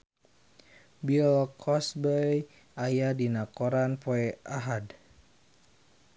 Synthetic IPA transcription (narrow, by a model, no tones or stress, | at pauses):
biɔlkʰɔsbəj | ajadinakɔɾanpoɛaɦad